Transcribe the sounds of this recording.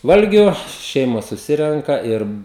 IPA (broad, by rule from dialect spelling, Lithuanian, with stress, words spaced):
ˈʋɐlʲɡʲʊ ˈʃʲɛɪmoːs sʊˈsʲɪrʲɛŋkɐ ˈɪr